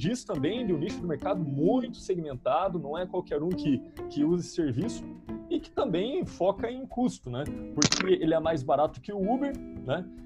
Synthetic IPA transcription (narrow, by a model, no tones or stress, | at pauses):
d͡ʒist̪ɐ̃mbẽj̃d̪ɪʊ̃niʃʊd̪ɪmeɾkad̪ʊmũj̃t̪ʊ̥seɡimẽnt̪ad̪ʊnɐ̃w̃ɛkwawkɛɾũkɪkɪuzɪseɾvisʊ̥ɪkɪ̥t̪ɐ̃mbẽj̃fɔkɐẽj̃kust̪ʊnɛpoɾkʰɪelɪɛmajzbaɾat̪ʊ̥kɪʊubeɾnɛ